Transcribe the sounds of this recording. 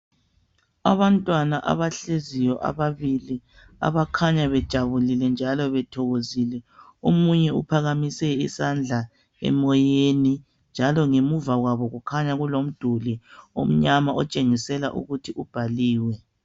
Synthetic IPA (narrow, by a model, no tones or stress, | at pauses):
aβantʼwanaʔa̰βaɬezijɔʔa̰βaβili | a̰βakʰaɲaβɛd̥ʒ̥ʱaβulilɛnd͡ʒʱalɔβɛtʰɔɣozilɛ | omuɲɛṵpʰaɣamisɛḭsand͡ɮʱa | ɛ̰mɔjeni | nd͡ʒʱalɔŋemuvaɣwaβɔɣukʰaɲaɣulom̩d̥ʱulio̰m̩ɲamaɔt͡ʃʼeŋisɛla̰ʔṵɣutʰiʔub̥ʱaliːwɛ